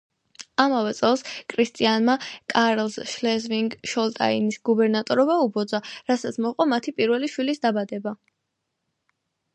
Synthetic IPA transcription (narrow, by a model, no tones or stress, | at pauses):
amavɛt̪sʼɛlˠskʰɾist̪ʼianmakʼaɾlˠsʃlɛzviŋɡʃɔlt̪ʼa̰inisɡubɛɾnat̪ʼɔɾɔbaubɔd̪zaɾasat̪sʰmɔqʼɔmat̪ʰipʼiɾvɛliʃwilisd̪abad̪ɛba